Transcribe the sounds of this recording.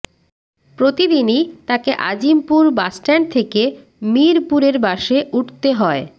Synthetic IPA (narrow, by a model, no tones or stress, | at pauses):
pɾot̪id̪init̪akeʔa̰d͡ʑimpuɾbasʈɛnt̪ʰeke | miɾpuɾeɾbaʃeʔuʈʰt̪eɦɔe